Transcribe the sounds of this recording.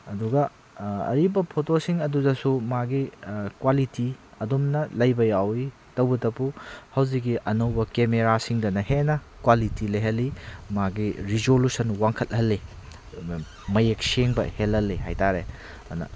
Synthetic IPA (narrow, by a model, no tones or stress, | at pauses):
ɐduɡɐ | ɐ̰ɾibɐpʰotosiŋɐdudɐsumaɡikwalitiɐdumnɐlɐjbɐjawi | tɐwbɐtɐpuhɐwzikːiʔɐnɐwbɐkemeɾasiŋdɐnɐhenɐkwalitilɐjɦɐlːimaɡiɾizolusɐnwaŋkʰɐt̚hɐlːi | mɐjek̚seŋbɐ̰helɐlːiɦa̰jtaɾe | ɐ̰nɐ̰